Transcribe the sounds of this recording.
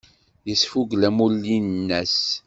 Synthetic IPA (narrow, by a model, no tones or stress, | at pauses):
jəsfuɡlæmulːinnːæs